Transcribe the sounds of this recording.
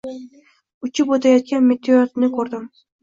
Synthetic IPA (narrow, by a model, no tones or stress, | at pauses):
ʊt͡ʃʰɪpot̪ʰajɑt̪̚kʲanmet̪ʰːeat̪nɪkʰɵɾd̪ɪm